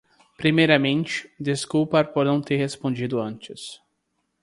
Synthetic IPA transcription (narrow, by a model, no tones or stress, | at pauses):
pɾimejɾɐmẽnt͡ʃɪ̥d̪eskuwpɐɾpɔɾnɐ̃w̃t̪eɾhespõd͡ʒid̪ʊɐ̃nt͡ʃɪs